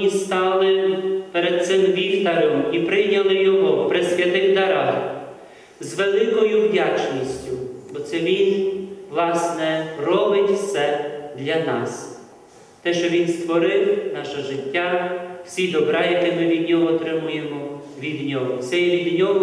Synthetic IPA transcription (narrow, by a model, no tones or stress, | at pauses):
ist̪ɑlˠɪpeɾɛd̪̥̚t̪sɪmʋʲilʲt̪ɐɾɔmipɾɪnʲɐlˠɪjɔɦɔpɾɪsʲʋʲjɐt̪ɪɣd̪ɐɾɑ | zʋelˠɪkɔjʊwdʲat͡ʃnʲisʲtʲʊbɔt̪sɛʋʲinʋlˠɑsnɛrɔbɪtʲwsɛd̪lʲɐnɑs | t̪ɛʃt͡ʃɔʋʲinst̪ʋɔɾɪwnɑʃɐʒɪtʲːaw̥sʲid̪ɔbɾɑjɐkɪmɪʋʲid̪nʲɔɦɔːt̪ɾɪmujemɔ | ʋʲid̪nʲɔɦɔt̪sɛjɛʋʲid̪nʲɔɦɔ